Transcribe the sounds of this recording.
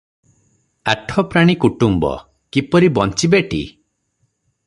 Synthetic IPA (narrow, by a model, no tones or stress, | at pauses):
aʈʰɔpɾaɽ̃ikuʈumbɔ̰ | kipɔɾibɔnt͡ʃibeʈḭ